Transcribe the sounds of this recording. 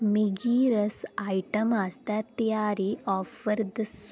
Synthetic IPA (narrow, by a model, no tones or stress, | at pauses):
miɡiːɾɐsaːjʈɐmaːst̪at̪ɐjaːɾiɔːfɐɾd̪ɐs